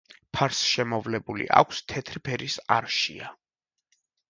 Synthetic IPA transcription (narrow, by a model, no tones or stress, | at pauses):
pʰaɾsʃɛmɔvlɛbulḭʔa̰kʷʰst̪ʰɛt̪ʰɾipʰɛɾisaɾʃia